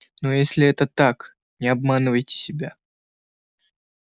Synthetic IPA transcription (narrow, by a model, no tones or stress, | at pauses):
nojesʲlʲɪɛt̪ət̪ak | nʲɪɐbmanɨvəjtʲɪ̥sʲɪbʲa